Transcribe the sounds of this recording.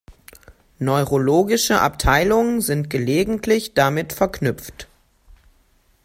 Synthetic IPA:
nɔʏʁoloːɡɪʃəʔa̰p̚tʰaɪlʊŋənzɪntɡ̥əleːɡŋ̩tʰlɪçd̥amɪtfɛɐknʏpp͡ft

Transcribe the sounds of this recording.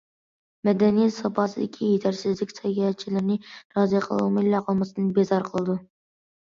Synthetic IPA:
mɛd̪ɛnijɛt̪sɑpʰɑsɨd̪ɪkʲʰijet̪ʰæɾsɪzlɪk̚ʲsʰɛɡʲɛt͡ʃʰilɪɾnɪɾɑːziqʰəlˠṵwmɪlːɑqʰəlˠmɨsɨnɨbezɑɾqʰəlˠɨd̪u

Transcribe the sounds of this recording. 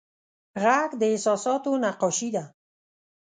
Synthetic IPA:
ɣakd̪əɪsɔsɔt̪onaqɔʃid̪a

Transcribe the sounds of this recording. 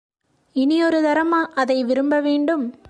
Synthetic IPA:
ɪniɔɾɯðɐɾɐmaːʔɐðɐɪʋɪɾɯmbɐʋeːɳɖɯm

